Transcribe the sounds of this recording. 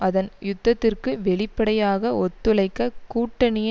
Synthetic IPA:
ɐðɐnjʊd̪ːɐt̪ːɪrkɯʋɛɭɪpːɐɽɐjaːɣɐɔt̪ːɯlɐɪkːɐkuːʈːɐnɪj

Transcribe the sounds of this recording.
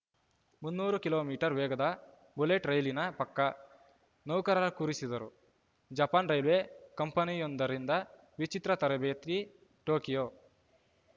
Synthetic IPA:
munːuːɾukiloːmiːʈɐɾʋɛːɡɐd̪ɐ | buleːʈɾɐjlinɐpɐkːɐ | nɐwkɐɾɐlɐkuːɾisid̪ɐɾṵ | d͡ʒɐpaːnɾɐjlʋeːkɐmpɐnijɔnd̪ɐɾind̪ɐ | ʋit͡ʃit̪ɾɐt̪ɐɾɐbeːt̪ɾi | ʈoːkijoː

